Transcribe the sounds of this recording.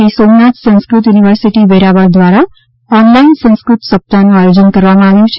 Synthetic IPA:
isomnat̪sə̃ñskɾut̪juːniʋəɾsiʈibeɾabəɾd̪ʋaɾa | ɔnlainsə̃nskɾut̪səp̚t̪anũajod͡ʒənkəɾʋamãaʋjũt͡ʃʰ

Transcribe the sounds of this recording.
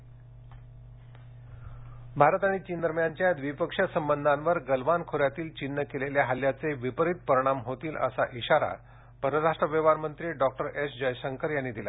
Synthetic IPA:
bʱaɾt̪aɽ̃it͡ɕiːnd̪əɾmjaɲt͡ɕjad̪ʋipəkʂasəmbənd̪ʱãnʋəɾɡəlʋankʰoɾjat̪iːlt͡ɕinːəkeleljaɦaljat͡seʋipəɾit̪̚pəɾiɽ̃amɦot̪iːlə̰sa̰ʔiɕaɾa̰ | bəɾəɾaʂʈɾəʋjəʋaɾmənt̪ɾiːɖɔk̚ʈəɾʔesd͡ʑəjɕəŋkəɾjanːiːd̪ila̰

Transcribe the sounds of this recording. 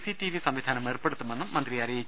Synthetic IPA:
sitiʋisɐmʋid̪ʱaːnɐmeːrpeɽut̪ːumenːumːɐnd̪riɐɾeː

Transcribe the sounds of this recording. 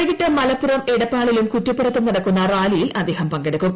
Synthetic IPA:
iɣiʈːɐmɐlɐpːurɐmeɽɐpːaːɭilumkutːɐpːɐrɐt̪ːumnɐɽɐkːunːɐraːlijilɐd̪e̞ːhɐmpɐŋɡeɽɐkːum

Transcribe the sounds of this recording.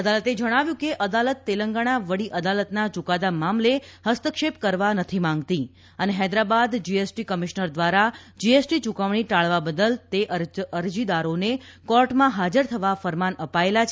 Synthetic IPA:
əd̪alət̪ed͡ʒəɽ̃aʋjũkeʔəd̪alət̪ːeləŋɡaɽ̃aʋəɽiʔəd̪alət̪nat͡ʃukad̪amamlehəst̪əkʃep̚kəɾʋanət̪ʰimãŋɡt̪i | əneɦɛd̪ɾabad̪d͡ʒiesʈikəmiʃnəɾd̪ʋaɾad͡ʒiesʈit͡ʃukaʋɽ̃iʈaɭʋabəd̪əlt̪eʔəɾəɾd͡ʒid̪aɾonekɔɾʈmãɦad͡ʒəɾt̪ʰəʋafəɾmanəpaelat͡ʃʰ

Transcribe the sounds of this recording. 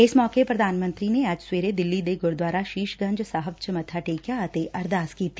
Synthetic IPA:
ɪsmɔːkepɾɐd̪ʱaːnmə̃nt̪ɾineaːd͡ʒsweːɾed̪ɪlːid̪eːɡʊɾd̪waːɾaʃiːʃɡɐ̃ɲd͡ʒsaːɦəb̚t͡ʃəmɐt̪ʰaʈeːkjat̪eʔɐɾd̪aːskiːt̪ʰi

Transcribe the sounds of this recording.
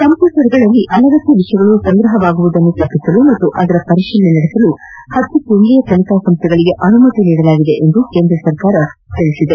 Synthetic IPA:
kɐmpuːʈɐɾɡɐɭɐlːiʔɐlɐɡɐt̪ːiʋiʂjɐɡɐɭusɐŋɡɾɐɦɐʋaːɡuʋud̪ɐnːut̪ɐpːisɐlumɐt̪ːuʔɐd̪ɐɾɐpɐɾiʃilːenɐɽesɐlu | hɐt̪ːupuɳlijɐt̪ɐlikaːsɐmst̪ʰɛɡɐɭiɡe̞ʔɐnumɐt̪iniːɽɐlaːɡid̪e̞ʔend̪uke̞ːnd̪ɾɐsɐɾkaːɾɐt̪iɭisid̪e

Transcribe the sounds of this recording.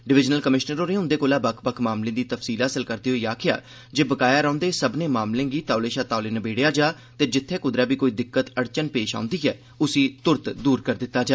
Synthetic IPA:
ɖɪʋɪd͡ʒnəlkəmɪʃnəɾoːɾeːʊ̃nd̪eːkoːlaːbəkʰbəkʰmaːmlẽːd̪iːt̪əfsiːlɦəsəlkəɾd̪eːɦoiːaːkʰɪja̰ː | d͡ʒeːbəkaːjaːɾãːnd̪eːsəbnẽːmaːmlẽːɡiːt̪aːleːʃaːt̪aːleːnəbeːɽjaːd͡ʒaː | t̪eːd͡ʒɪt̪ʰːeːkʊd̪ɾaːbiːkoːiːd̪ɪkːət̪əɽt͡ʃənpeːʃa̰ːʊ̃nd̪iːɦɛ̰ː | ʊsĩːt̪ʊɾt̪d̪uːɾkəɾd̪ɪt̪ːaːd͡ʒaː

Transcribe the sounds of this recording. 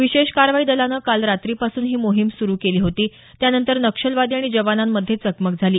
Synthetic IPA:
ʋiɕeɕkaɾʋaiːd̪əlanəːkalɾat̪ɾiːpasuːnɦiːmoɦimsuɾuːkeliːɦot̪iː | t̪janənt̪əɾnəkʂəlʋad̪iaɽ̃id͡ʑəʋanamːəd̪ʱːjet͡səkmək̚d͡zʱaliː

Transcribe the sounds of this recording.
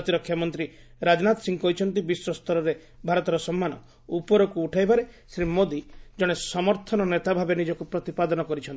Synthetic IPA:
t̪iɾɔkʰːjamɔnt̪ɾi | ɾad͡ʒɔnat̪ɔsiŋkɔit͡ʃʰɔnt̪ibiswɔst̪ʰɔɾɔɾe | bʱaɾɔt̪ɔɾɔsɔmːanɔ̰ | upɔɾɔkuːʈʰajbaɾesɾimod̪id͡ʒɔɽ̃esɔmɔɾt̪ʰɔnɔnet̪abʱabenid͡ʒɔkupɾɔt̪ipad̪ɔnɔkɔɾit͡ʃʰɔnt̪i

